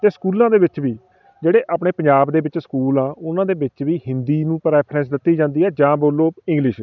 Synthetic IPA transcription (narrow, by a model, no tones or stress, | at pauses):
t̪eːskuːlãːd̪eːʋɪt͡ʃʋiː | d͡ʒeːɽeːʔaːpɳeːpəɲd͡ʒaːbd̪eːbɪt͡ʃskuːlãːʊnãːd̪eːʋɪt͡ʃʋiːhɪ̃nd̪iːnũːpəɾɛːpʰɾɛ̃ːns̬d̪ɪt̪ːiːd͡ʒãːnd̪iːɛːd͡ʒãːboːlːoːɪ̃ŋɡlɪʃ